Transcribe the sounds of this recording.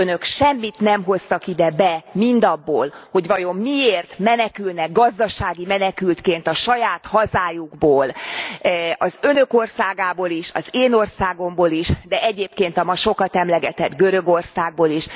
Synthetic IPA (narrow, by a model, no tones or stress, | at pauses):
ønøkʃɛmːit̪nɛmɦo̞st̪ɒkid̪ɛbɛmind̪ɒbːoːlho̞ɟʋɒjo̞mːieːrt̪mɛnɛkylnɛɡɡɒzd̪ɒʃaːɡimɛnɛkylt̪keːnt̪ɒʃɒjaːt̪hɒzaːjuɡboːl | ɒzønø̞ko̞rsaːɡaːboːliʃɒ̰zeːno̞rsaːɡo̞mboːliʃd̪ɛɛɟeːpkeːnt̪ɒmɒʃo̞kɒt̪ɛmlɛɡɛt̪ɛd̪ɡøɾøɡo̞rsaːɡ̚boːliʃ